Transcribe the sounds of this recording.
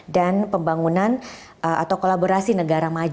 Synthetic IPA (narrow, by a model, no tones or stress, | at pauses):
danpəmbaŋunan | at̪awkolaboɾasinəɡaɾamad͡ʒ